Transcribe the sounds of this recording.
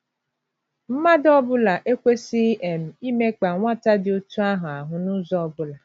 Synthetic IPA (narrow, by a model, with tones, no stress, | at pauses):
m̩˦ma˦dɔ˦bʊ˦la˨ʔe˦kʷe˦si˦e˨m̩˨i˦me˦k͡pa˨ŋʷa˦ta˦dɪ˨o˦tu˦a˦ɦʊ˨a˨ɦʊ˨nʊ˦zɔ˦ɔ˦bʊ˦la˨